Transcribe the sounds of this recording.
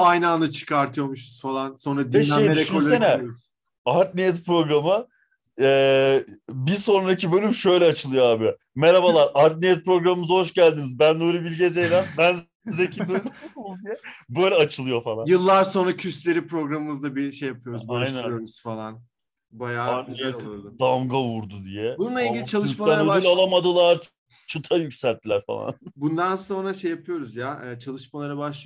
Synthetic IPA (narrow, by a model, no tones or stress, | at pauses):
ajnanat͡ʃʰɯ̥kaɾt̪ʰɯjomuʃuz̥falˠanso̞nɾad̪ieʃej̪enɛz | aɾt̪̚nijɛt̪pɾo̞ɡɾamɯ | ɛː | biso̞nɾacʰibølʲymʃø̞jlʲɛat͡ʃʰɯlˠɯjoaːbi | meɾabalˠaɾʔaɾt̪̚nijɛt̪̚pɾo̞ɡɾamɯmɯzaɦo̞ʃɟælʲd̪inizbænːuɾibilʲɟed͡ʒejlʲænbæn | zecʰid̪uɾumuzd̪ijɛbøjlʲɛat͡ʃʰɯlˠɯjo̞falˠanjɯlˠːaɾso̞nɾacʰyslʲe̞ɾipɾo̞ɡɾamɯmɯzd̪abiʃejːapʰɯjoɾuzajnnænjoɾuz̥falˠan | bajaːaɾnijɛɾd̪amɡavuɾd̪ud̪ijɛbununˠailɡilʲit͡ʃʰalˠɯʃʃmalanɾilʲalˠamad̪ɯlˠaɾ | t͡ʃʰɯt̪ʰajycsælʲt̪ʰːilʲæɾfa̰lˠa̰nbund̪anso̞nɾaʃejːapʰɯjo̞ɾuzjaɛːt͡ʃʰalˠɯʃmalˠaɾabaʃlˠɯ